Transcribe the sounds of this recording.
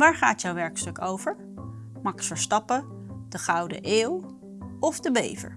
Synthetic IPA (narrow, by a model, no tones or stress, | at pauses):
ʋaːɹχa̰ːtjɔwʋɛɹkstɵkowvəɹ | mɑksfəɹstɑpə | d̥əχawdə̰ʔeːw | ɔfdəbḛjvə̰ɹ